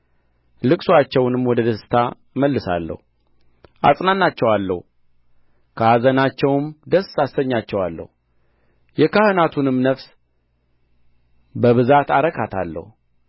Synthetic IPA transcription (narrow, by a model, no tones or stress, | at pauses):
lɨkʼsuat͡ʃːɛwnɨmːwɔd̪əd̪əsɨ̥t̪ʰa | məlːɨsa̰lːə̰hu | ʔa̰sʼnanːat͡ʃːɛwalːə̰hu | kʰəazənat͡ʃːɛwmd̪əsasːəɲːat͡ʃːɛwalːə̰hu | jɛkʰahɨnat̪ʰunɨmnəfs | bəβɨzat̪aɾəkʰat̪ʰa̰lːə̰hu